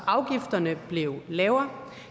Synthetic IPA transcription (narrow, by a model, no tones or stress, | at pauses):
ɑ̈ʊɡ̥ifd̥ɐnəb̥le̝ʊlɛːʊɐ